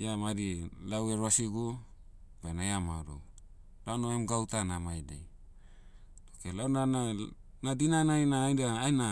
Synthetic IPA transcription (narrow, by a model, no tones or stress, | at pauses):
jamaɾilaweɾoasiɡu | banajamaɾo̰w | lanoemɡawtanamajdḛj | okelawnaa | nadinanajnaːjndaːjna